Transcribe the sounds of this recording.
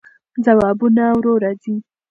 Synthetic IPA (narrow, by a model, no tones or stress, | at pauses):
zawɑbunawɾoɾazi